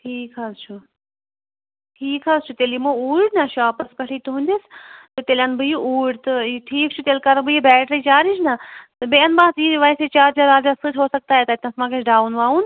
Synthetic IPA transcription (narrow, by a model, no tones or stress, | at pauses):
ʈʰiːkaːst͡ʃʰu | ʈʰiːkɦaːst͡ʃʰut̪elimuuːɽnaʃaːpɐskɐʈʰiːt̪uɦũnd̪ist̪ɨt̪eːlʲjãːnbɨjiʔuːɽt̪ɨʈʰiːk̚t͡ʃʰut̪ʲelkɐɾbɨjibɛːʈɾɐit͡ʃaːɾit͡ʃʰnat̪ɨbeɐnbaːt̪jiʋaiset͡ʃaːɾd͡ʒaɾaːd͡ʒasɨt͡ʃʰɦoːsɐk̚t̪aːɦet̪at̪ʲãsmãːket͡ʃʰɖaːwnʋaːun